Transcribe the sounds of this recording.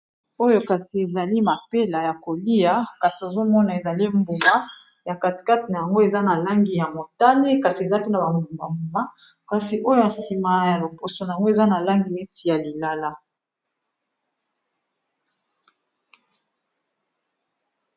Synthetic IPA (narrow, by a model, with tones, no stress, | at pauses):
o˦jo˦ka˨si˨e˨za˨li˦ma˨pe˦la˨ja˨ko˨li˦ja˦ka˨si˨o˨zo˦mɔ˦na˨e˨za˨li˦mbu˨ma˦ | ja˨ka˨ti̥˨ka˦ti˨na˨ja˨ŋɡo˦e˨za˦na˨la˦ŋɡi˨ja˨mo˨ta˦ne˦ka˨si˨e˨za˦pe˦na˨ba˨mu˨mba˨mu˨ma˦ | ka˨si˨ʔo˦jo˦na˨si˨ma˨ja˨lo˨po˨so˨na˨ja˨ŋɡo˦e˨za˦na˨la˦ŋɡi˨mi˦ti˨ja˨li˨la˦la˦